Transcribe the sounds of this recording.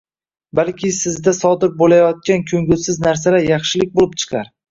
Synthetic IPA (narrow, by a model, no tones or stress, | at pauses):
balkʲʰɪsɪzd̪asɒd̪ɪɾbolajɒt̪̚kʲankʲʰɵŋɡʲʊlsɪznaɾs̬alaɾjɑχʃɪlɪk̚ʲbolɪpt͡ʃʰɨ̥qʰɑɾ